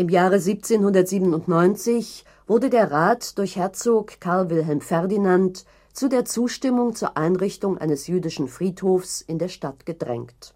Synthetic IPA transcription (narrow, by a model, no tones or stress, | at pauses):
ʔɪmjaːʁəziːp̚t͡seːnhʊndɐtz̥iːbən̩ʊntnɔʏnt͡sɪç | v̥ʊɐdədeːɐʁaːtd̥ʊɐçhɛɐt͡soːkkʰːaɐlvɪlɦɛlmfɛɐdinant | t͡sudeːɐt͡suːʃtɪmʊŋt͡suːɐʔaɪnʁɪçtʊŋʔa̰ɪnəsjyːdɪʃn̩fʁ̥iːthoːfsʔɪndeːɐʃtatɡ̥ədʁɛ̰ŋkt